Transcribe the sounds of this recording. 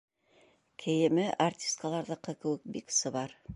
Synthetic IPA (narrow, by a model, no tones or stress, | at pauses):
kʰɘ̆jɘ̆mɘʔartʲi̥skalˠɑɾðɤqɤkɘ̆wɘk̚biksɤ̆βɑɾ